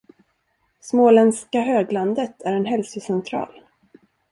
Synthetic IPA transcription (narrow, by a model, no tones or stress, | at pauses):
smoːlɛnskaɦøːɡland̪ət̪ʰæɾɛnɦɛlsəsɛnt̪ʰɾɑ̰ːl